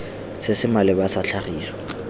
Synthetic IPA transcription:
sɪsɪmalɪbasaɬʰaχiːswɔ̥

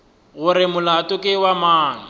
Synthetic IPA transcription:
ɣʊɾɪmʊlatʊkʼɪwamaːna

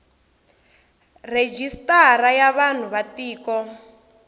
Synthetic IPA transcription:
red͡ʒistaɾajaβan̤uβatiːkɔ

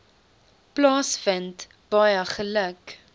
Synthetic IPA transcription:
plɑːsfənt | b̥ɐjəχələk

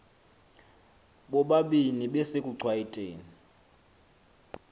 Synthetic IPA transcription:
ɓɔɓaɓiniɓɛsekʼuǀʱwajitʼeːni

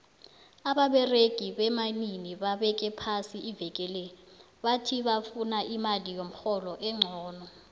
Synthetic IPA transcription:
aɓaɓɛreɡ̥ʱiɓɛmaniniɓaɓɛk̬ʼɛpʰasiivɛkʼɛlɛɔ | ɓatʰiɓafunaʔimalijom̩xɔlɔʔɛŋ͡ǀʱɔːnɔ

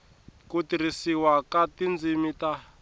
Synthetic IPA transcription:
kutiɾisiwakatind͡zimita

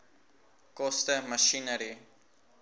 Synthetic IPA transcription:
kɔstəməʃinəɾi

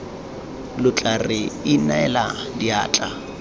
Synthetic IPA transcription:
lʊt͡ɬʼarɪɪnaɛladiaːt͡ɬʼa

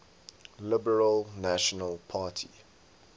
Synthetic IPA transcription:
lɪbəɹəlnaʃɔnəlˠpʰaːtʰḭ

